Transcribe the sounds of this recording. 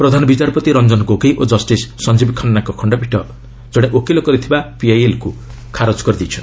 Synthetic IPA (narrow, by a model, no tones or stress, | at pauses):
pɾɔd̪ʱanbit͡ʃaɾpɔt̪iɾʌnd͡ʒɔnkokejʔod͡ʒʌsʈisːʌnd͡ʒibikʰʌnnakɔkʰɔɳɖʌbʱiʈʌ | d͡zɔɽeʔokelokɔɾit̪ʰibapiajelku | kʰaɾod͡zkɔɾid̪it͡ʃʰɔ